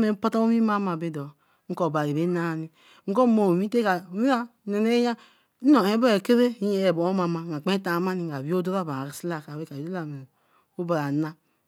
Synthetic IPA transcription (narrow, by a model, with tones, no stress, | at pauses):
me˨˦pa˦ta˦o˦mi˦ma˦ma˨be˦dɔ˨ | ŋ̩˦ko˨ba˨i˨be˨˦na˦˨ni˦ | ŋ̩˦ko˦mo˨wi˦te˦ka˨wi˦a˦ne˨ne˦ja˦ | no˨e˨˦be˦e˨ke˦ɾe˦i˦je˦e˨bo˨o˦ma˨ma˨a˨k͡pe˦ta˨ma˦ni˨a˨wi˦o˦do˦ɾa˦˨ba˨a˨ɾi˨sla˦˨ka˨we˦ka˨i˨de˦la˨me˨ | o˦ba˨ɾa˨na˦